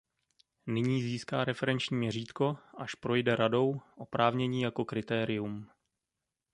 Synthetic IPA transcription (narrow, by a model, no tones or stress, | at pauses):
nɪɲiːziːskaːɾɛfɛɾɛnt͡ʃɲiːmɲɛriːt̪ko̞ʔaʃpɾo̞jdɛɾado̞wʔo̞pɾʔaːvɲɛɲiːjako̞kɾɪt̪ɛːɾɪjum